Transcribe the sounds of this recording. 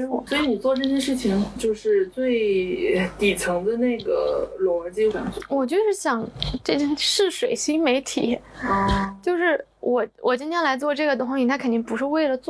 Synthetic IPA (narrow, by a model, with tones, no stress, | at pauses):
swɔ˧˥i˧˥ni˨˩t͡swɔ˥˧ʈ͡ʂɤ˥˧ɕ̬jɛ˥˧ʂɻ̩˥˩t͡ɕʰi˩ŋt͡ɕjo˥˧ʊʂɻ̩˥˧t͡swe˥˩ɪ | t̪i˨˩t͡sʰɤ˧˥ŋd̪ə˧ne˥˩ɪɡə̰˩lɔ˧˥ə˧˥t͡ɕi˥ka˨˩˥wɔ˨˩t͡ɕjo˥˧ʊʂɻ̩˥˩ɕjɑ˨˩˦ŋʈ͡ʂɤ˥˩t͡ɕɛ˥˩nʂɻ̩˥˩ʂwe˨˩ɪɕi˥ŋme˧˥ɪt̪ʰḭ˨˩˦ | t͡ɕjo˥˧ʊʂɻ̩˥˩ | wʔɔ˨˩wɔ˨˩t͡ɕi˥nt̪ʰjɛ˥nla˧˥ɪt͡swɔ˥˧ʈ͡ʂɤ˥˩ɡə˩t̪ʊ˥ŋɕi˨˩t̪ʰa˥kʰə˨˩nt̪i˥˩ŋpu˧˥ʂɻ̩˥˧we˥˩ɪlə˩t͡swɔ˥˩